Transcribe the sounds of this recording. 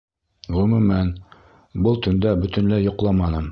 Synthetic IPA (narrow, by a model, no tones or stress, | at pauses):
ʁɵmʉmæn | bɤlˠt̪ɵ̆nd̪æbɵ̆t̪ɵ̆nlæjŏqlˠɑmɑnɤm